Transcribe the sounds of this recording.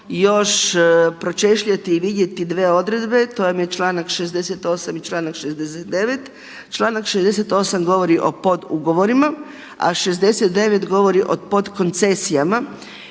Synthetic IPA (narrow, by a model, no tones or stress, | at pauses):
jo̞ʃpɾo̞t͡ʃe̞ʃʎat̪iːʋid̪je̞t̪id̪ʋe̞ːo̞d̪ɾe̞d̪be̞t̪ojamjet͡ʃlˠaːnakʃezd̪e̞set̪o̞ːsamit͡ʃlˠaːnakʃezd̪eset̪̚d̪eʋet̪ | t͡ʃlˠaːnakʃezd̪e̞set̪o̞ːsamɡo̞ʋo̞ɾiʔo̞̰po̞d̪uɡo̞ʋo̞ɾima | a̰ʃezd̪e̞set̪d̪e̞ʋet̪ɡo̞ʋo̞ɾiʔo̞po̞d̪ko̞nt̪se̞sijama